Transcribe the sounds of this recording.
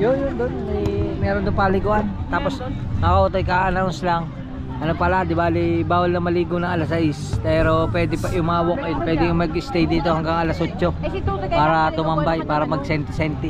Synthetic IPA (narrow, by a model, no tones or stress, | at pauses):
jonjond̪onɛjmɛːɾond̪ʊŋpalɪɡʊʔant̪aːpo̞snɐkɐʔuːt̪ɐjkaʔɐnawnslɐŋ | ʔɐnopɐlad̪ɪbaːlɪbaːwɐlnɐŋmɐliːɡonɐŋɐlasɐʔɪspɛːɾo̞pwɛːd̪ɪpɐʔjʊŋmɐŋɐwok̚ɛnpwɛːd̪ɪjʊŋmɐɡɪst̪ɛjd̪iːt̪o̞hɐŋɡaŋʔɐlɐsot͡ʃːo̞paːɾɐt̪ʊmɐmbajpaːɾɐmɐɡ̚sɛnt̪ɪsɛnt̪ɪ